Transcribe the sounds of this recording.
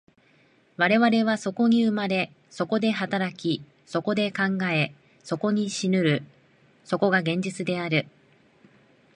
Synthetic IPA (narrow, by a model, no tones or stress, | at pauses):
βaɾe̞βaɾe̞β̞aso̞ko̞ɲ̟iɯ̟maɾe̞ | so̞ko̞d̪e̞ɦat̪aɾakʲi | so̞ko̞d̪e̞kãŋɡae̞ | so̞ko̞ɲ̟iɕinɯ̟ɾɯ̟ | so̞ko̞ɡaɡẽ̞ɲ̟d͡ʑit͡sɨd̪e̞aɾɯ̟